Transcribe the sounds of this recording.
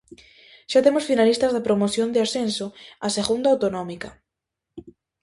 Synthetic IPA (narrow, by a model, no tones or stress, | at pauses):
ʃat̪emosfinalist̪azðepɾomoθjond̪easensoaseɣund̪awt̪onɔ̃mika